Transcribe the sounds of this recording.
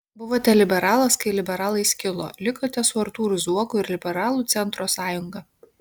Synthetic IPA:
bʊʋoːt̪ʲɛlʲɪbʲɛɾɑːlˠɐskɐɪlʲɪbʲɛɾɑːlˠɐɪsʲkʲɪlˠo̰ːlʲɪkoːt̪ʲɛsʊɐɾt̪uːɾʊzuɔkʊɪɾlʲɪbʲɛɾɑːlˠuːt̪sʲɛnt̪ɾoːsɑːjʊŋɡɐ

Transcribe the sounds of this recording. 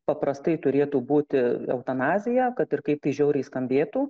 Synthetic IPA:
pɐpɾɐst̪ɐɪt̪ʊɾʲeːt̪uːbuːt̪ʲɪɛ̰ʊt̪ɐnɑːzʲɪjɛkɐt̪ɪrkɐɪp̚t̪ɐɪʒʲɛʊɾʲɛɪskɐmʲbʲeːt̪uː

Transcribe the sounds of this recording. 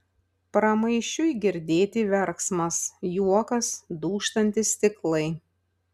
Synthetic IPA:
pɾɐmɐɪʃʲt͡ʃʲʊɪɡʲɪɾʲd̪ʲeːt̪ʲiʋʲɛɾksmɐsjuɔkɐsd̪uːʃt̪ɐnʲt̪ʲɪst̪ʲɪklˠɐɪ

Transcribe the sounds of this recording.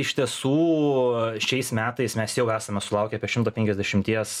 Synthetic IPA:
ɪʃʲt̪ʲiɛsuː | ʃʲɛɪsmʲæːt̪ɐɪsmʲɛsjɛʊæːsɐmʲɛsʊlˠɐʊkʲɛɐpʲiɛʃʲɪmt̪oːpʲɛŋkʲɛzʲd̪ʲɛʃʲɪmʲt̪ʲiɛs

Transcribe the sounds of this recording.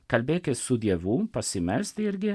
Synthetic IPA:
kɐlʲbeːkesud̪jɛʋupɐsimɛlst̪iɾɡʲe

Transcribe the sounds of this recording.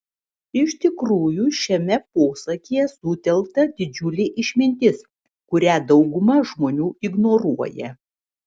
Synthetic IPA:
ɪʃʲt̪ʲɪkɾuːjuːʃʲɛmʲɛpoːsɐkʲijɛsʊt̪ʲɛlˠkt̪ɐd̪ʲɪd͡ʒʲʊlʲeːʔɪʃʲmʲɪnʲt̪ʲɪs | kʊɾʲæːd̪ɒʊɡʊmɐʒmoːnʲuːɪɡnoːɾuɔjɛ̰

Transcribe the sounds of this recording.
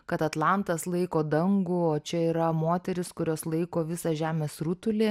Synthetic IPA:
kɐt̪ɐt̪lˠɑˑnt̪ɐslˠɐɪkoːd̪ɐŋɡʊoːt͡ʃʲɛiːɾɐmoːt̪ʲɛɾʲɪskʊɾʲoːslˠɐɪkoːʋʲɪsɑʒʲæːmʲeːsɾut̪ʊlʲeː

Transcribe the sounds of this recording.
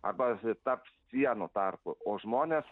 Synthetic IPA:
ɐ̰rbɐt̪ɐrpssʲiɛnʊt̪ɐrpʊoːʒmoːnʲeːs

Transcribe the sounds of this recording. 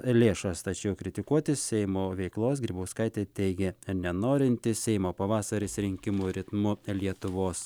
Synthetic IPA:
lʲeːʃɐst̪ɐt͡ʃʲɛʊkɾʲɪt̪ʲɪkuɔt̪ʲɪssʲɛɪmoːʋʲɛɪklˠoːsɡɾʲiːbɐʊskɐɪt̪ʲeːt̪ʲɛɪɡʲɛnʲɛnoːɾʲɪnʲt̪ʲɪssʲɛɪmoːpɐʋɑːsɐɾʲɪsʲɾʲɪŋʲkʲɪmʊɾʲɪt̪mʊlʲiɛt̪ʊʋoːs

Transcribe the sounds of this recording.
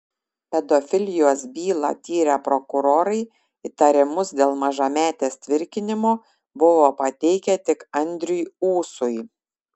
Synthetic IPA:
pʲɛd̪ofʲɪlʲɪjoːsbʲiːlˠɐ̰t̪ʲiːɾʲɛpɾɔkʊɾoːɾɐɪ | ɪt̪ɐɾʲɪmʊsd̪ʲeːlˠmɐʒɐmʲæːt̪ʲeːst̪ʲʋʲɪɾʲkʲɪnʲɪmoː | bʊʋoːpɐt̪ʲɛɪkʲɛt̪ʲɪkɐnʲd̪ʲɾʲʊjuːsʊj

